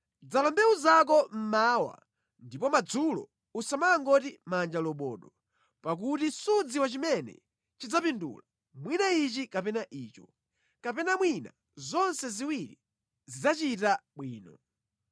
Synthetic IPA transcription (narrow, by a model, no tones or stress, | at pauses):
d͡zalɔmbɛuzak̬ɔm̩maːwa̰ | ndipɔmad͡zulɔ̰ | usamaːŋɡɔtimand͡ʒalɔɓɔːɗɔ | pak̬utisud͡ziwat͡ʃimɛnɛ̰ | t͡ʃid͡zapindṵla | mwinait͡ʃikapɛnaʔiːt͡ʃɔ | kapɛnamwina | zɔnsɛziwiɾi | zid͡zat͡ʃitaɓwiːnɔ